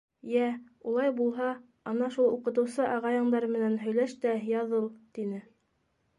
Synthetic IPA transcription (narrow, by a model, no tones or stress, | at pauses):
jæ | ulˠɑjbulˠɦɑ | ɑnɑʃulˠuqɤ̆t̪̬ɤ̆wsɤʔɑʁɑjɤ̆ɴd̪ɑɾmɘ̆nænɦɵ̆jlæʃt̪æjɑðɤlˠt̪inɘ